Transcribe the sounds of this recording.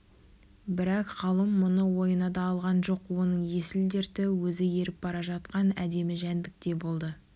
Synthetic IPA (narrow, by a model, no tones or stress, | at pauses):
bɪɾɑqχɑlˠəmːʊnəwo̞jənɑd̪ɑːlˠʁɑnʒo̞qwonəɴje̞sɪld̪e̞ɾt̪ɪwɵzɪje̞ɾɪp̚bɑɾɑʒɑt̪̚qɑnæd̪e̞mɪʒænd̪ɪk̚t̪e̞bo̞lˠd̪ə